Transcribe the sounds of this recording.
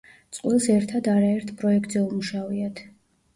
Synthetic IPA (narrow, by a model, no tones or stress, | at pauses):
t̪sʼqʼwilˠsɛɾt̪ʰad̪aɾaɛɾt̪ʰpʼɾɔɛk̚t̪ʼzɛumuʃaviat̪ʰ